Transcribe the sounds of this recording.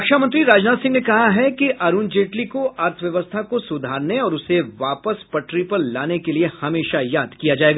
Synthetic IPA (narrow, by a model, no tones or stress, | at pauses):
kʃamɐ̃nt̪ɾiɾaːd͡ʒnaːd̪sɪ̃ŋɡnekɐɦaɦɛkiʔɐɾuːnd͡ʒeːʈlikoʔɐɾt̪ʰəʋjɐʋəst̪ʰakosʊd̪ʱaːɾneɔːɾʊseʋaːpəspɐʈɾipəɾlaːnekeliehɐmeːʃajaːd̪ʱkijad͡ʒaːeːɡaː